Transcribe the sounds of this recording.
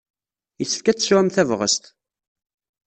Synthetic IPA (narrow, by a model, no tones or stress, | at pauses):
jəθə̥fkæt͡sːswæmθævʁə̰st̪